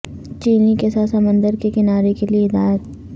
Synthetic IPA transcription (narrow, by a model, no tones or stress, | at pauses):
t͡ʃiːnikesaːt̪sɐmə̃nd̪əɾkekɪnaːɾekelieɪd̪aːjət̪